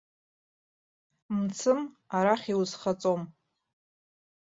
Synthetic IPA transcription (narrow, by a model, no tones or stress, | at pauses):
mt͡sʰɨm | aɾaχʲiwzχat͡sʼom